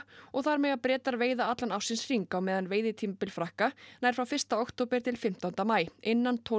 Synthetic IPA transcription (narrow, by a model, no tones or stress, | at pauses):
ɔɣθaɾmɛɣaðpɾɛːt̪aɾveːjðaat̪lanawsɪnsr̥iŋkawmɛːðanveːjðɪt̪ʰimpɪlfɾahkanaːjɾfɾawfɪrst̪aowxt̪ʰowpɛɾ̥t̪ʰɪlfɪm̥t̪awnt̪amaːjɪnːant̪ʰo